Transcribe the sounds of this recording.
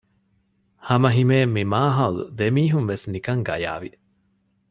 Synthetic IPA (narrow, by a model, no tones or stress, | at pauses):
hɐmɐɦimeːmːimaːɦɐlṵd̪emiːɦunʋesnikɐŋɡɐ̰ja̰ːʋi